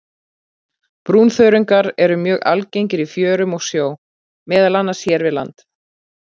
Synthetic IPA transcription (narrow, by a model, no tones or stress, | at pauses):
pɾuːnθœɥɾʏŋkaɾɛɾʏmjœːɣa̰lcejɲcɪɾifjœːɾʏmɔɣsjoːw | mɛːðalanːḁsjɛːɾvɪðla̰nt̪